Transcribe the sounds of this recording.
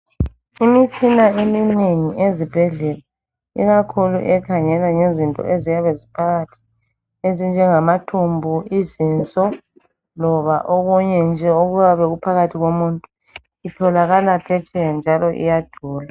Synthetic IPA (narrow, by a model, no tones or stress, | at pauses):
imit͡ʃʰʼinaemineŋiezib̥ʱɛɮɛla | ḭɣakʰulṵʔɛkʰaŋɛlaŋezintʼɔ̰ʔezijaβɛzipʰaɣatʰi̥ | ezind͡ʒʱɛŋamatʰumbʱuizint͡sʼɔ | lɔβaʔɔɣɔɲɛnd͡ʒʱɛoɣujaβɛɣupʰaɣatʰiɣomuntʼu | itʰɔlaɣalapʰɛt͡ʃʰɛnd͡ʒʱalɔʔḭjḁd̥ʱuːla